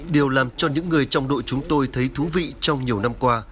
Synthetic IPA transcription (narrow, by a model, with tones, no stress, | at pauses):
ɗi˨˩əwlaː˨˩mt͡ɕɔ˧ɲɨ̰˧˥ŋːɨ˨˩əjt͡ɕɔ˧wŋ͡mɗo̰˧˨jt͡ɕʊ˨˦ŋ͡mt̪o˧jt̪ʰə˨˦jt̪ʰu˨˦vḭ˧˨t͡ɕɔ˧wŋ͡mɲi˨˩əwna˧mkwaː˧